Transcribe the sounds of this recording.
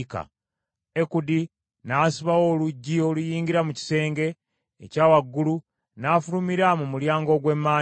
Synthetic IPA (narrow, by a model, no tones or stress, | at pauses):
ka̰ | ekudi | naːsiβaoluɟːio̞lujiːŋɟiɾamuci̥se̞ːŋɡe̞̰ː | caːwaɡːulu | naːfulumiɾamumuljaːŋɡo̞ɡwe̞mːaː